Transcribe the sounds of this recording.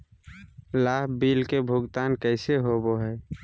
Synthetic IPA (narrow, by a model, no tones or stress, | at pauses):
laːɦbiːlkebʱʊɡt̪aːnkəɪseɦoboɦɛː